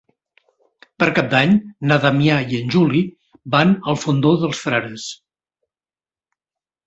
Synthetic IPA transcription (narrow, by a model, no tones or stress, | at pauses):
pəɾkap̚d̪aɲnaðamiaiənʲʒuli | banəlˠfund̪oðəlˠsfɾaɾəs